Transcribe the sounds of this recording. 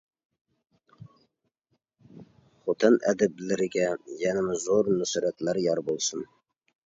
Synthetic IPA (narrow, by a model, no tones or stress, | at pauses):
χot̪ʰɨnʔæ̰d̪ɪb̚lɪɾɪɡʲæjænɪmɪzoɾnʊsɾæt̪læɾjɑɾbolˠsən